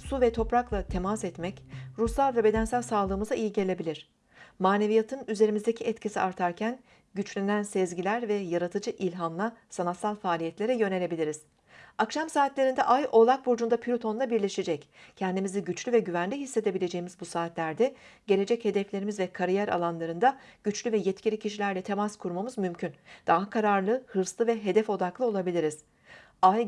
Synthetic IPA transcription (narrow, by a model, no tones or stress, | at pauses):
suvɛt̪ʰo̞pɾaklˠat̪ʰe̞masɛt̪mɛcɾuslˠalˠvɛbe̞d̪ænsælʲsaːlˠɯːmɯzaijiɟe̞lʲe̞bilʲiɾ̝̥ | maːne̞vijat̪ʰɯnyze̞ɾimizd̪e̞cʰiɛt̪cʰisiaɾt̪ʰaɾcʰæn | ɟyt͡ʃlʲinænsɛzɟilʲæɾvɛjaɾat̪ʰɯd͡ʒɯʔilʲɦanlˠasanat̪salˠfaːlʲijɛt̪lʲe̞ɾɛjø̞ne̞lʲe̞bilʲiɾiz̥ | akʃamsaːt̪lʲe̞ɾind̪ɛʔajʔo̞lˠak̚buɾd͡ʒund̪apʰilʲut̪ʰo̞nˠabiɾlʲe̞ʃed͡ʒɛccʰɛnd̪imiziɟyt͡ʃlʲyvɛɟyvænlʲiɦisːe̞d̪e̞bilʲe̞d͡ʒe̞jimizbusaːt̪lʲæɾd̪ɛ | ɟ̥e̞lʲe̞d͡ʒɛche̞d̪ɛflʲe̞ɾimizvɛkʰaɾijæɾa̰lˠanlˠaɾɯnd̪aɟ̥yt͡ʃlʲyvɛjɛt̪cʰilʲicʰiʃilʲæɾlʲɛt̪ʰe̞maskʰuɾmamɯzmymcʰynd̪̥aɦakʰaɾaɾlˠɯhɯɾslˠɯvɛɦe̞d̪ɛfo̞d̪aklˠɯo̞lˠabilʲiɾiz̥ | aj